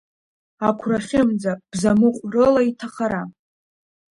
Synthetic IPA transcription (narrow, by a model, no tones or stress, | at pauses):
akʷʰraχʲɪmd͡zab̥zamɨqʷʼrɨlaitʰaχaɾa